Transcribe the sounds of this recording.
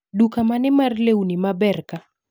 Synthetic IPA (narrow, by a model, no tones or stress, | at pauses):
ɗukamanɛmarlewnimabɛrka